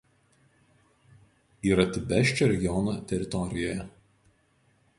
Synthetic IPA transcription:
iːɾɐt̪ʲɪbʲɛˑʃʲt͡ʃʲoːɾʲɛɡʲɪɔnoːt̪ʲɛɾʲɪt̪ɔɾʲɪjoːjɛ

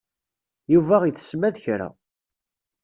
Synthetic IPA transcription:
juvæʁiθə̥smæðçɾæ̰

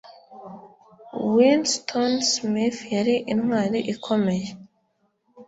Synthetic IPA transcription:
winstʰonsmifjaɾiʔinŋwaːɾiʔikʰo̞me̞je

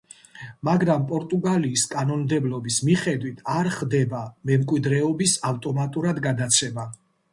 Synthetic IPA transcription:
maɡɾampʼɔɾt̪ʼuɡaliːskʼanɔnmd̪ɛblɔbismiχɛd̪wit̪ʰaɾχd̪ɛbamɛmkʼwid̪ɾɛɔbisaft̪ʼɔmat̪ʼuɾad̪ɡad̪at̪sʰɛma

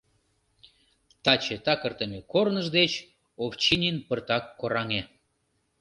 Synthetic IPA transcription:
t̪ɑt͡ɕet̪ɑkərt̪əmekornəʒd̪et͡ɕ | oft͡ɕinʲinpərt̪ɑkːoɾɑŋe

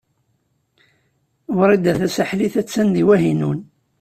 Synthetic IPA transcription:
ɾˤid̪æθæsaħliθæt͡sːænd̪iwæɦinṵn

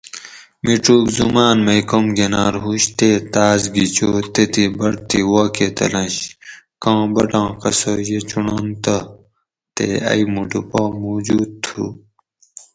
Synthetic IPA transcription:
miʈuːkzumaːnmɐjkomɡenaːɾɦuɕt̪et̪aːzɡit͡ɕoːt̪et̪ibɐɽt̪iwaːket̪ɐ̰lɐ̃ɕ | kãːbɐʈãːqɐsoːjet͡ɕuɳoːnt̪ɐ | t̪ḛɐ̰jmuʈupoːmoːd͡ʑuːd̪̚t̪ʰu

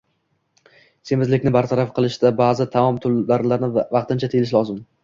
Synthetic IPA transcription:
se̞mɪzlɪkʲnɪbaɾt̪ʰaɾafqʰɨlˠɪʃd̪abaːzɪt̪ʰamɒmt̪ʰʊlaɾlaɾnɪvɑq̚t̪ɪnt͡ʃʰat̪ʰelɪʃ̬lˠɒzɪm

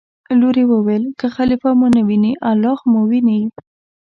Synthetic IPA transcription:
loɾewəwelkəxalifamunawiniʔalːɑxmowinaji

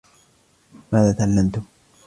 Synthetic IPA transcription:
maːðaːt̪aʔalːamt̪ʊm

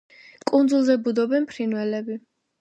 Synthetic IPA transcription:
kʼund̪zulˠzɛbud̪ɔbɛnpʰɾinwɛlɛbi

